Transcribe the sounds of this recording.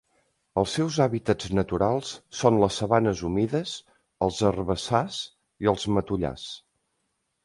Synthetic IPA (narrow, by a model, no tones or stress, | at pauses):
əlˠsːɛwzaβit̪əd͡znət̪uɾalˠsːonləsːəβanəzumiðəz | əlˠzərβəsas | iəlˠzmət̪uʎa̰s